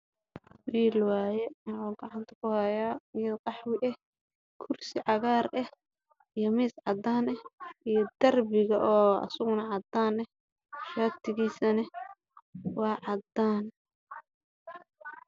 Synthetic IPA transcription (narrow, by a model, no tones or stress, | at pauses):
wiːlwɑːjɛnɔːɡɑʕɑnt̪ʰɐ̥kʰʊhɐjaːjqɑħwɪʔɛh | kʰʊrsɪʕɑɣaːrʔɛh | ijɔmɪːsʕɑd̪aːnɛhijɔd̪̥ɐrbɪɣɐʔɔːɐ̰sʊɣʊnɐʕɑd̪aːnɛ | ʃaːt̪ʰɪɣiːsɐnɐ | wɑːʕɑd̪aːn